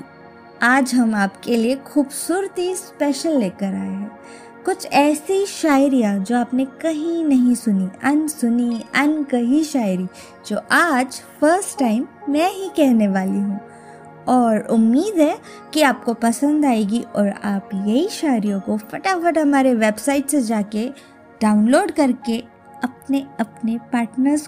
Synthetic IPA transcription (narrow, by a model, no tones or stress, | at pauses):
aːd͡ʒɦɐmaːpkeliexuːbsuːɾt̪ispɛːʃəlːeːkəɾaːeɦɛ̃ː | kʊt͡ʃʰɛːsiʃaːɪɾijãd͡ʒoːaːpnekɐɦĩnɐɦĩsʊniɐnsʊniɐnkɐɦiʃaːɪɾi | d͡ʒoːʔaːd͡ʒfəɾsʈʈːaːɪmːɛ̃ːɦikɛɦneʋaːliɦũː | ɔːɾʊmːiːd̪ɦɛ | kiaːp̚kopɐsə̃nd̪aːeːɡiʔɔːɾaːpjɐɦiʃaːɪɾijõkofɐʈafɐʈɦɐmaːɾeʋeːbsaːɪʈsed͡ʒaːke | ɖ̥aːʊnloːɖkɐɾke | ɐp̚neɐpnepaːɾʈnəɾz